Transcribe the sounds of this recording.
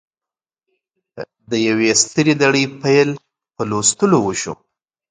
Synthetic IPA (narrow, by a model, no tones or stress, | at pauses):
d̪əjawest̪əɾilaɽəjpajl | pəlost̪əlowəʃṵ